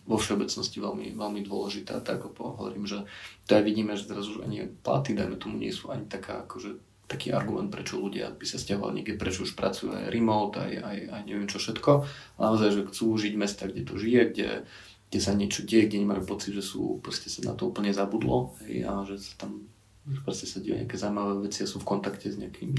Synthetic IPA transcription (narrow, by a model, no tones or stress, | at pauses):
ʋɔfʃɛɔbɛt͡snɔsciʋɛlmḭʋɛlmid̪ʊɔlɛʒit̪a̰ːt̪aɡlɛbɔɦɔʋɔ̰ɾiːmʒɛt̪ɔajʋiɟiːmɛʒɛzɾazuʒa̰ɲipla̰t̪id̪ajmɛt̪ɔmuɲɪɛ̰suʔaɲit̪aka̰ːakɔʒɛ | t̪akiːʔa̰ɾɡumɛnt̪̚pɾɛt͡ʃɔluɟɪa̰bisafscaɦɔʋa̰lɲɛ̰ɡɟɛpɾɛt͡ʃɔuʃpɾat͡sujṵːa̰jɾimɔlt̪a̰jajajɲɛʋɪɛmt͡ʃɔfʃɛt̪kɔanaɔzajʒɛxt͡suːʒiɟmɛst̪aɡɟɛt̪ɔʒijɛɡɟɛ̰ | ɡɟɛsaɲɪɛt͡ʃɔɟɛjɛɡɟɛɲɛmajupɔt͡sid̪ʒɛsṵːpɾɔscɛsana̰t̪ɔuːpl̩ɲɛzabud̪lɔ̰ɦɛja̰ʒɛsḁt̪am | pɾɔscɛsaɟɛjṵɲʔɪ̰a̰kɛːzawimaʋɛːʋɛt͡sijasɔmfkɔnt̪akcɛzɲɛakʰiːm